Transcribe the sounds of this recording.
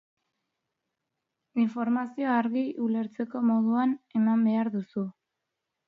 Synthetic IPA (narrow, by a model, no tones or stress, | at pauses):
iɱfo̞ɾmasio̞aɾɣiʔule̞ɾt͡se̞ko̞mo̞ðuane̞mambe̞aɾðusu